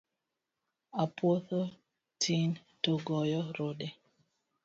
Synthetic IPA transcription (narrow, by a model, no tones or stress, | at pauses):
apwoθo | tʰin | toɡɔjɔɾode